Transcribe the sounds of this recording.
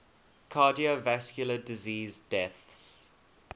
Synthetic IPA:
kʰaːdiovæskjʊlədɪziːzdɛθs

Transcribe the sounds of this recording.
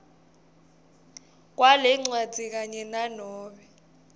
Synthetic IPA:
k̬ʼwalɛŋ͡ǀwad͡z̥ʱik̬aɲɛnanɔːɓɛ

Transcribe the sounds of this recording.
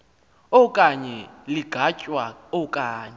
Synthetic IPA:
ɔkʼaɲɛliɡ̥ʱacʼwaɔkʼaːɲɛ

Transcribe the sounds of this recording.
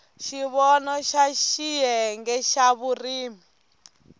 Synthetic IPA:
ʃiβɔnɔʃaʃijɛŋɡɛʃaβuriːmi

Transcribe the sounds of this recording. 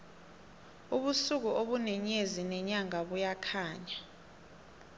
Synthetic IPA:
uɓusuk̬uʔoɓunɛɲezinɛɲaŋaɓujakʰaːɲa

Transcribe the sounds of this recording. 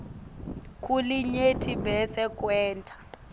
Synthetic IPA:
kʼuliɲetʰibɛsɛkʼwɛːntʰʼḁ

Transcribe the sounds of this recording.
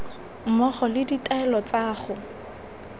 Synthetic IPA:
m̩mɔχɔlɪditʼaɛlɔt͡saːχʊ

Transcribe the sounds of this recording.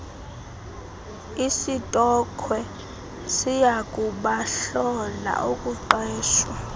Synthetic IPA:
isitʼɔkʰwɛ | sijakʼuɓaɬɔla̰ʔukʼuǃɛːʃwa

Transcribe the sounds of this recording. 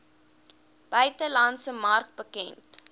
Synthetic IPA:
b̥œɥtəlɐntsəmɐrk̚bəkɛnt

